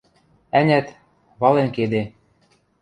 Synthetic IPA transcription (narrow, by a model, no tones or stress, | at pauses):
ænʲæt̪ | βɑlenked̪e